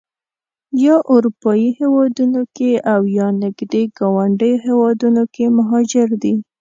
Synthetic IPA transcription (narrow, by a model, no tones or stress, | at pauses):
jɑʔʊɾupɑjihewɑd̪unokeawjɑnɪɡd̪eɡɑwaɳɖəjoɦewɑd̪unokemaɦɑd͡ʒɪɾd̪i